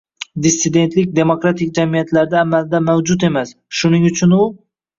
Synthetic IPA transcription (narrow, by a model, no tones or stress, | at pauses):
d̪isːɪd̪e̞nt̪lɪk̚ʲd̪e̞mokɾat̪ʰɪk̚ʲd͡ʒamijat̪ʰlaɾd̪aːmalɪd̪amawd͡ʒʊt̪e̞mas | ʃʊnɪŋʊt͡ʃʰʊnʊ